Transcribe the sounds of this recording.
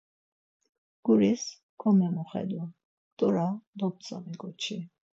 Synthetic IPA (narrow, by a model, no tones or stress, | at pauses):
ɡ̥uɾis | kʰɔmɛmɔχɛ̰d̪wa | t̪ʼɔɾad̪ɔp̪̚t͡sʼa̰mɛɡʼɔt͡ʃʰi